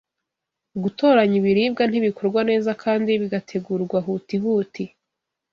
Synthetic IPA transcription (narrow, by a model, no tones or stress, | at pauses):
uɡuto̞ːɾaɲiβiɾiːbɡan̥hiβikʰo̞ɾɡwane̞ːzakʰaːndiβiɡatʰe̞ɡuːɾɡwaɦutiɦuːti